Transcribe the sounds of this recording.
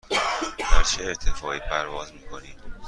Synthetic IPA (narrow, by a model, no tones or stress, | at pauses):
d̪æɾt͡ʃʰeːɾt̪ʰefɒːʔiːpʰæɾvɒːzmiːkʰo̞niːm